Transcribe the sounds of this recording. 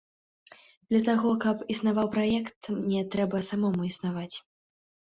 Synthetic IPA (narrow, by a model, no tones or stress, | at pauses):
d̪̥lʲɐt̪aɣɔkɐpisn̪avawpɾajɛkt̪nʲɛt̪ɾɛbɐsamɔmuisnavat͡sʲ